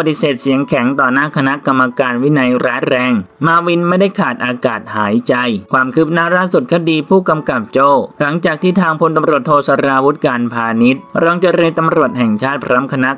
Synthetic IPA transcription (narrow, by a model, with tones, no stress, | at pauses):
bt̪i˧seː˨˩t̪̚si˨˩˦əŋkʰɛ˩˦ŋt̪ɔː˨˩naː˥˩kʰa˧na˦˥ka˧mːa˧kaː˧nwi˦˥na˧jɾaː˦˥nɾɛː˧ŋmaː˧wi˧nma˥˩jda˥˩jkʰaː˨˩t̪̚ʔaː˧kaː˨˩t̪̚haː˩˦jt͡ɕa˧jkʰwaː˧mkʰɯ˦˥p̚naː˦˥laː˥˩su˨˩t̪̚kʰa˧˩diː˧pʰuː˥˩ka˧mka˨˩p̚t͡ɕoː˥˩la˩˦ŋt͡ɕaː˨˩k̚t̪ʰiː˥˩t̪ʰaː˧ŋpʰo˧nt̪a˧mɾu˨˩ət̪ʰːoː˧sa˧ɾaː˧wu˦˥t̪̚kaː˧npʰaː˧ni˦˥t̪̚ɾɔː˧ŋt͡ɕa˧ɾɤː˧nt̪a˧mɾu˨˩ət̪̚hɛ˨˩ŋt͡ɕʰaː˥˩t̪̚pʰɾɔː˦˥mkʰa˧na˦˥